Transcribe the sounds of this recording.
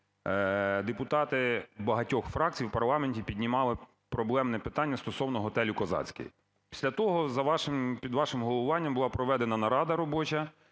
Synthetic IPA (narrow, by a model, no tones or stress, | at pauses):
d̪epʊt̪ɑt̪ɪbɐɦɐtʲɔxfɾɑk̚t͡sʲijwpɐrlˠɑmenʲtʲipʲidʲnʲimɑlˠɪ | pɾɔblˠɛmnɛpɪt̪ɑnʲːɐst̪ɔsɔwnɔɦɔt̪ɛlʲʊkɔzɑ̰t͡sʲkḛji | pʲi̥sʲlʲɐt̪ɔɦɔzɐʋɑʃɪmpʲid̪ʋɑʃɪmɦɔlˠʊʋɑnʲːɐmbʊlˠɑpɾɔʋɛd̪enɐnɐɾɑd̪ɐɾɔbɔt͡ʃɐ